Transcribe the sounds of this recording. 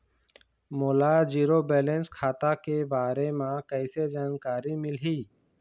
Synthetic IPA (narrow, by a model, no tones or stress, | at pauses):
moːlaːd͡ʒiːɾobɛːlẽnskʰaːt̪akebaːɾemãkɛɪsed͡ʒaːnkaːɾimɪlɦiː